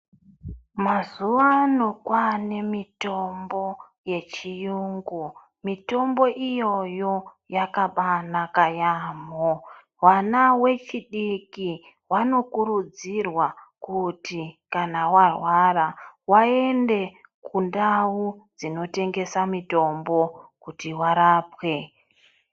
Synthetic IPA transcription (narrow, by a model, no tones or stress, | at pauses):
mazuʋano̞kwane̞mito̞mbo̞ | je̞t͡ʃijuŋɡu | mito̞mbo̞ʔijo̞jo̞ | jakaɓanakajaːmo | wanawe̞t͡ʃiɗiki | wano̞kuɾud͡zirwa | kutikanawarwarawae̞nde̞ | kundawud͡zino̞te̞ŋɡe̞samito̞mbo̞kutiwaɾaːpwe̞